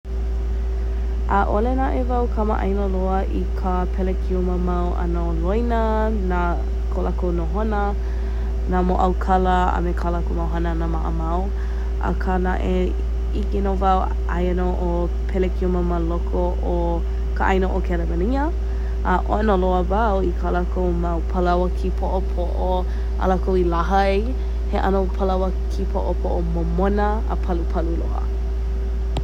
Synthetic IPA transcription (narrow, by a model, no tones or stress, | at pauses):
ʔaʔolenaʔevɐwkʰəma̰ʔɐ̰jnoloɐʔikʰə | pʰɛlekʰiuməmɐwʔɐ̰nolojnə | na | kʰolakʰownoɦonə | namoʔɐwkʰɐləɐ̰mekʰalakonowɦanənamaʔəmɐw | ʔɐ̰kʰanaʔe | ikenovɐw | ʔa̰jənoʔo | pʰɛlekʰioməməlokʰoʔo | kaʔɐjnoʔokʰɛlɛmɐniə | ʔɐʔo̰ənoloəvawikʰalakowmawpʰalawɐkʰipʰoʔopʰoʔo | ʔa̰lakowilaɦɐj | heʔɐ̰nopʰəlawə | kʰipʰoʔopʰoʔomomonə | ə̰pʰɐlupʰɐlulo̰hə̰